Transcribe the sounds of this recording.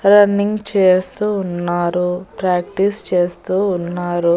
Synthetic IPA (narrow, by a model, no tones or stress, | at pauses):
ɾɐnːiŋɡt͡ʃeːst̪uːnːaːɾupɾaːkʈist͡ʃe̞ːst̪uːnːaːɾu